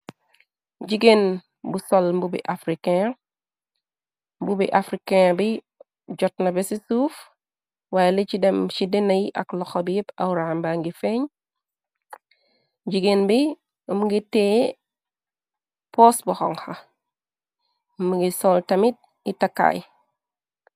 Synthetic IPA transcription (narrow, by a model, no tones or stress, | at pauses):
ɟiɡen | busolmbubḭʔafɾikẽ | mbubiʔafɾikẽbi | ɟɔtnɐbesisuf | waːjelet͡ʃidɛmʃidenɐjiʔaklɔxobijipawuɾambaŋɡifeɲ | ɟiɡenbi | mɡite | posbuxɔ̰ŋxa | mɡisoltɐmit̚ | itakːa̰j